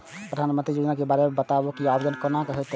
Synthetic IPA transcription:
pɾəd̪ʱaːnmə̃nt̪ɾid͡ʒud̪nakebaɾemẽbət̪abokiabəd͡ʒənkəɾnakəɦɛt̪

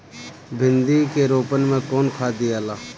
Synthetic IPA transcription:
bʱɪnd̪iːkeːɾoːpənmẽːkoːnkʰaːd̪iaːlaː

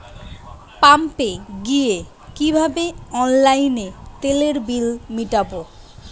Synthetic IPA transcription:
pampeɡie | kibʱabeɔnlajnet̪eleɾbilmiʈapo

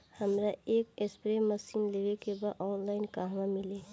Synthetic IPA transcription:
həmɾaeːkespɾeməsiːnlewekebaɔːnlaːɪnkaɦʋãmɪleː

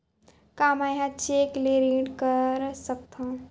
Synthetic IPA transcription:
kaːmaːjɦãt͡ʃeːkleːɾẽːɖkəɾsɐk̚t̪ʰã

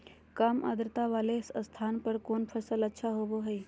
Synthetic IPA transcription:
kaːma̰d̪ɾt̪aʋaːleɪsəst̪ʰaːnpɐɾkoːnpʰəɾsəlɐtːʃʰaɦoːboɦəi

